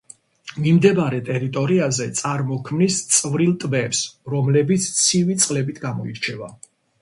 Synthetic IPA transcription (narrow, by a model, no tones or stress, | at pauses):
mimd̪ɛbaɾɛt̪ʼɛɾit̪ʼɔɾiazɛt̪sʼaɾmɔkʰmnist̪sʼvɾilˠt̪ʼbɛpsɾɔmlɛbit̪sʰt̪sʰivit̪sʼqʼlɛbit̪ʰɡamɔiɾt͡ʃʰɛva